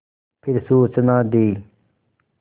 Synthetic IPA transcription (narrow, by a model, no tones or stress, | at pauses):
pʰɪɾsuːt͡ʃənãːd̪eː